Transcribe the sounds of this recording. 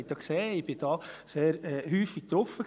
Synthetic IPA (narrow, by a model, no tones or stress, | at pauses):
ɪtd̪ɑkseːɪb̥ɪd̥ɑːseːɾɛːhyːfik̚t̪ɾɔfə